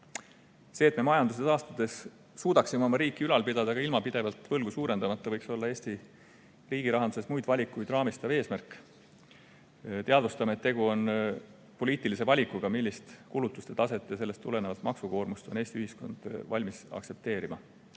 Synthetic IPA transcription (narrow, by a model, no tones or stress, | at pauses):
se̞ːt̪me̞mɑjɑnd̪us̬eɑːst̪ud̪̥e̞s | suːd̪̥ɑksimeo̞mɑɾiːkːˑiylɑlpid̪̥ɑd̪̥ɑkɑilmɑpid̪̥e̞vɑlt̪vɤlɡ̥usuːɾe̞nd̪̥ɑmɑt̪ˑːɑvɤjkso̞lːɑe̞ːsʲt̪i | riːɡ̥iɾɑɦɑnd̪u̥se̞smujd̪̥vɑlʲikːujd̪rɑːmist̪ɑve̞ːsmærkːˑ | t̪eɑd̪vust̪ɑmeet̪ːe̞ɡ̥uo̞n | po̞liːt̪ˑilis̬e̞vɑlʲikːˑuɡ̥ɑmilʲːist̪kulut̪ːˑust̪e̞t̪ɑse̞t̪ːˑjɑse̞lːe̞st̪ːule̞nevɑlt̪mɑksuko̞ːrmust̪o̞neːst̪iyhisko̞̰nd̪̥vɑlʲmisɑ̰kse̞p̚t̪e̞ːɾimɑ̰